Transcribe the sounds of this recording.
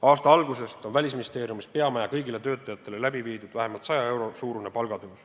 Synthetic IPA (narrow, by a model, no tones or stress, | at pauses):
ɑːst̪ɑɑlɡuse̞st̪o̞nvælʲisminʲist̪e̞ːɾijumispe̞ɑmæjɑkɤ̞jɡile̞t̪ø̞ːt̪ːˑɑjɑt̪ːˑe̞le̞læbiviːd̪ud̪̥væɦe̞mɑlt̪sɑjɑe̞wɾo̞suːɾune̞pɑlɡ̥ɑd̪uus